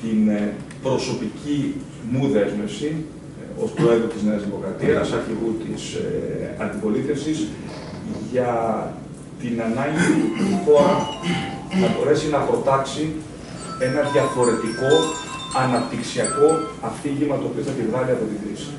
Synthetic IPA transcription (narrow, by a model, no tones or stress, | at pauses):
t̪in | pɾo̞so̞pici | muðe̞zme̞fsi | o̞st̪oeɾɣot̪izneɐzðimo̞kɾɐt̪iɐsɐɾçiɣut̪ḭsɐnd̪ipo̞liθe̞fsis | ʝɐ | t̪inɐnɐɲɟiiθoɐ | θɐbo̞ɾe̞sinɐpɾo̞t̪ɐksi | e̞nɐðʝɐfo̞ɾe̞t̪iko̞ | ɐnɐpt̪iksiɐko̞ɐft̪iʝimɐt̪oːpioθɐt̪ivɣɐliɐpo̞t̪iɡɾḭsi̥